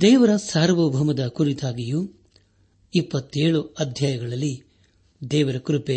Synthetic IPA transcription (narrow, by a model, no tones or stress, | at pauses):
d̪ɛːʋɐɾɐsaːɾʋɐːbʱɐmɐd̪ɐkuɾit̪aːɡiju | ipːɐt̪ːeːɭuɐd̪ʱjaːjɐɡɐɭɐlːi | d̪ɛːʋɐɾɐkɾupe